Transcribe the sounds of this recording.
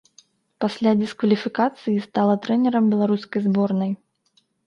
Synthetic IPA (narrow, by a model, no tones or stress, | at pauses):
pasʲlʲad̪ʲiskvɐlʲifʲikat̪sɨjist̪alˠɐt̪ɾɛnʲɛɾɐmbʲɛlˠaɾuskɐjzbɔrnɐj